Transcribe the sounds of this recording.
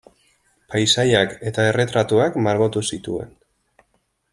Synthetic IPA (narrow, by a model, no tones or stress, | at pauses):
pajsajake̞t̪ae̞re̞t̪ɾat̪uakmaɾɣot̪usit̪ue̞̰n